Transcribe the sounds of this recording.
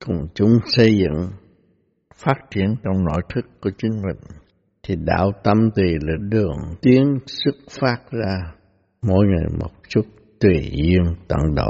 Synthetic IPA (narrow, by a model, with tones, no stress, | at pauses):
kʊ̰˨˩ŋ͡mt͡ɕʊ˨˦ŋ͡msə˧jzɨ̰˧˨ŋ | faː˦˥t̚t͡ɕi˧˩ənt͡ɕɔ˧wŋ͡mno̰˧˥jt̪ʰɨ˦˥kːu˧˩ət͡ɕï˨˦ŋ̟mï˨˩ŋ̟ | t̪ʰi˨˩ɗa̰ː˧˥wt̪ə˧mt̪i˨˩lɨ˧˩ɗɨ˧˨˩əŋt̪i˨˦ənsɨ˦˥k̚faː˦˥t̚zaː˧ | mo̰˧˥jŋa˨˩jmo̰˨˩t̚t͡ɕu˦˥t̚ | t̪wi˨˩zi˧əŋt̪ə̰˧˨nɗə̰˧˨